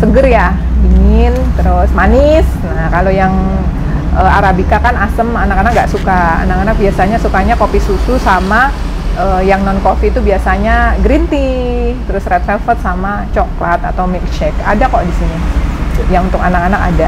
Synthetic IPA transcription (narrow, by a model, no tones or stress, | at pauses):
səɡərja | iŋɪnt̪əɾʊsmanɪs | nahkalojaŋ | əaɾabikakanasəmanakanak̚ŋɡaʔsukaa̰nakanak̚biasaɲasukaɲakofpisususama | əːjaŋnɔnkofiːt̪ubiasaɲaɡɾint̪it̪əɾʊsrɛt̪fɛlfərt̪̚sama | t͡ʃoklat̪a̰t̪awmɛk̚t͡ʃɛka̰dakodisiɲajaŋunt̪ʊkanakanaka̰da